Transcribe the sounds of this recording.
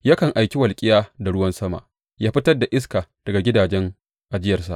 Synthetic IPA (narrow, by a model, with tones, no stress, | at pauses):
jaː˦kɐ˨ŋʔa˨jkʲi˦wɐ˨lkʲʼɪ˦jaː˦da˨ɽʊ˦wɐ˦nsɐ˦ma̰˨ʔ | jaː˦ɸɪ˦tɐ˦rda˨ʔɪ˦s̬kaː˨d̥ɐ˨ɡa˨ɡʲɪ˦daː˨d͡ʒɛ˦ŋ | ʔa˨d͡ʒɪ˦jɐ˨rsa̰˨ʔ